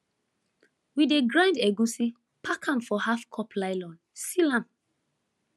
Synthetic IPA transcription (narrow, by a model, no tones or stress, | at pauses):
wideɡɹãndɛɡũsi | pʰakʰãmfɔhafkʰɔplaɪlɔ̃n | silãm